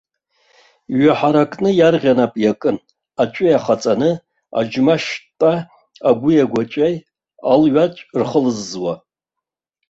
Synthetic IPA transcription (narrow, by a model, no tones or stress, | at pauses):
ɥaħaɾakʼnɨjarʁʲanapʼjakʼɨn | at͡ʃʷʼɪjaχat͡sʼanɨ | a̰d͡ʒmaʃtʼa | aɡʷʊjaɡʷat͡ʃʷʼaj | alɥat͡ʃʷʼrχəlɨzːwa